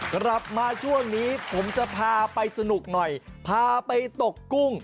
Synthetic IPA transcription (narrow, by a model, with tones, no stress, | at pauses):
kɾa˨˩p̚maː˧t͡ɕʰu˥˩əŋniː˦˥pʰo˩˦mt͡ɕa˨˩pʰaː˧pa˧jsa˧nu˨˩k̚nɔ˨˩jpʰaː˧pa˧jt̪o˨˩kːu˥˩ŋ